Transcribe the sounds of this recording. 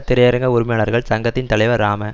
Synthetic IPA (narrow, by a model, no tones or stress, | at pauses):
t̪ːɪɾɐjɐɾɐŋɡɐʊɾmɐjaːnɐɾɣɐɭsɐŋɡɐt̪ːɪnt̪ɐɭɐɪʋɐɾːaːmɐ